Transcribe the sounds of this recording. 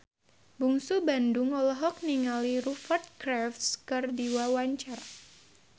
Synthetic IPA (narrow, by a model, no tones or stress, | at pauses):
buŋsubandʊŋɔlɔɦɔk̚niŋaliɾufart̪̚kɾafskɨrdiwawaɲt͡ʃar